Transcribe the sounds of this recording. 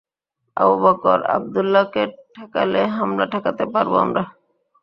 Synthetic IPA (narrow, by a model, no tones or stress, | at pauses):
a̰bobakɔɾa̰b̚d̪ulːakeʈʰakaleɦamɾaʈʰakat̪epaɾboa̰mɾa